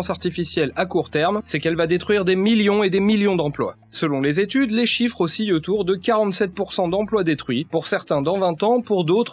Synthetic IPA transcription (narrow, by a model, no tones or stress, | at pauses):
saʁt̪ifisjɛlakuʁt̪ɛʁmsɛkɛlvad̪et̪χɥiʁd̪emiljɔ̃ed̪emiljɔ̃d̪ɑ̃plwa̰ | səlɔ̃lezet̪yd̪leʃifχosiot̪uʁd̪əkaʁɑ̃t̪sɛt̪̚puʁsɑ̃d̪ɑ̃plwad̪et̪χɥipuʁsɛʁt̪ɛ̃d̪ɑ̃vɛ̃t̪ɑ̃puʁd̪ot̪χ